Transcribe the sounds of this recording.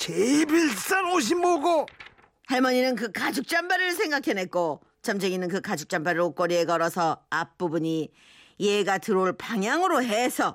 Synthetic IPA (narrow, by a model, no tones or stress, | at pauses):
t͡ɕebiɭs͈anoɕ̬imːoɡo | haɭmʌɲinɯnkɯkad͡ʑuk̚t͡ɕ͈ambaɾɯɭsʰe̞ŋɡakʰe̞ne̞t̚k͈o | t͡ɕʌmd͡ʑeɡinɯnkɯkad͡ʑuk̚t͡ɕ͈ambaɾɯɾok͈ʌɾie̞ɡʌɾʌsʰʌap̚p͈ubuɲi | jeɡatɯɾoɭpaŋjaŋɯɾoɦesʰʌ